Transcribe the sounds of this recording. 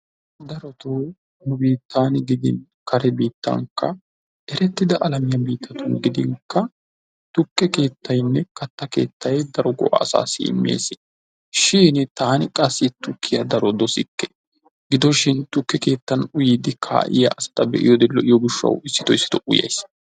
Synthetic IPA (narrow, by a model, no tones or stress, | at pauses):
d̪ɐɾɔt̪oː | nʊbiːt̪ːaːnɪɡɪd̪ɪ̰n | kɐɾɛbiːt̪ːɐ̰ŋkɐ | ʔɛɾɛt̪ːɪd̪ɐʔɐlɐmɪjɐbiːt̪ʰːɐt̪ʊnɡɪd̪ɪŋkːɐ | t̪ʊkːɛke̞ːt̪ːɐjnːɛkɐt̪ːɐke̞̰ːt̪ːɐjd̪ɐɾɔɡɔ̰ʔɐ̰ːsa̰ːsḭɪ̰mːḛːsɪ | ʃiːnt̪aːnɪkʼɐsːɪt̪ʊkːɪjɐd̪ɐɾɔd̪ɔsɪkːɛ | ɡɪd̪ɔʃɪnt̪ʊkːɛke̞ːt̪ːɐnʊjiːd̪ɪkʰa̰ːʔɪ̰jɐ̰ʔɐsɐ̥t̪ɐbɛʔɪ̰jɔd̪ɛlːɔʔɪjɔɡɪʃːɐ̰wɪsːɪ̥t̪ɔjɪsːɪ̥t̪ɔʔʊ̰jɐ̰js